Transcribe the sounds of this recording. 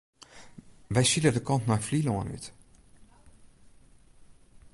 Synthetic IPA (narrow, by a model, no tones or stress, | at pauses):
ʋɛjsilədəkɑntnafliloəny̰t